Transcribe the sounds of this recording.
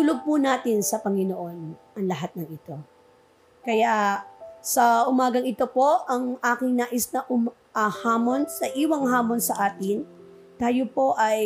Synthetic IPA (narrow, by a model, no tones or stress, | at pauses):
t̪ʊloɡ̚punaːt̪ɪnsɐpɐŋɪnoʔo̞n | ɐŋlɐɦat̪̚nɐŋɪt̪o̞ | kɐja | sɐʔʊmaːɡɐŋɪt̪o̞po̞ɐŋaːkɪŋnaːʔɪsnɐʔʊm | ɐhaːmo̞nsɐʔiːwɐŋɦaːmo̞nsɐʔaːt̪ɪn | t̪aːjopo̞ʔɐj